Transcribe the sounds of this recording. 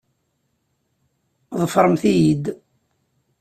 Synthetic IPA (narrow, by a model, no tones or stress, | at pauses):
ðˤəfəɾˤəmθijid̪